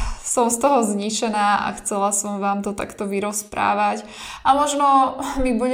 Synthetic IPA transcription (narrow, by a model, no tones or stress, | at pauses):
sɔmst̪ɔɦɔzɲit͡ʃɛnaːʔa̰xt͡sɛlasɔmʋaːmt̪ɔt̪a̰kt̪ɔʋiɾɔspɾa̰ːʋac | ʔamɔʒnɔmibuɟ